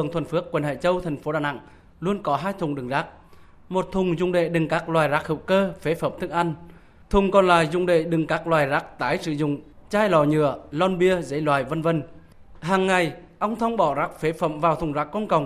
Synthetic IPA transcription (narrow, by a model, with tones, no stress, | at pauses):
əŋt̪ʰwə˨˩nfɨ˨˦˥əkːwə˨˩nha̰ː˧˨t͡ɕə˧wt̪ʰa˨˩jŋ̟fo˨˦ɗaː˨˩na̰˧˥˨ŋ | lu˧ənkɔ˨˦ɦaː˧jt̪ʰʊ˨˩ŋ͡mɗɨ˨˩ŋzaː˦˥k̚ | mo˨˩t̚t̪ʰʊ˨˩ŋ͡mzʊ̰˧˩˨ŋ͡mɗḛ˧˨ɗɨ˨˩ŋkaː˦˥k̚lwaː˨˩jzaː˦˥k̚hḭ˧˨wkəː˧fe˨˦fə˧˩˨mt̪ʰɨ˦ək̚ʔa˧jŋ̟ | t̪ʰʊ˨˩ŋ͡mkɔ˨˩nlaː˨˩jzʊ̰˧˨ŋ͡mɗḛ˧˨ɗɨ˨˩ŋkaː˦˥k̚lwaː˨˩jzaː˦˥k̚t̪aː˨˦jsɨ̰˧˨zʊ̰˧˨ŋ͡mt͡ɕaː˧jlɔ˨˩ɲɨ̰˧˩˨əlɔ˧nɓi˧əzə̰˨˦jlwaː˨˩jvə˧nvə˧n | ɦaː˨˩ŋːa˨˩jʔə˧wŋ͡mt̪ʰə˧wŋ͡mɓɔ˧˩zaː˦˥k̚fe˨˦fə̰˧˨mvaː˨˩wt̪ʰʊ˨˩ŋ͡mzaː˦˥kːɔ˧nkə˨˩wŋ͡m